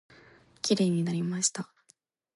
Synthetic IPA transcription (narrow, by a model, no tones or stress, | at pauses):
kʲiɾe̞ːɲ̟inaɾʲimaɕi̥t̪a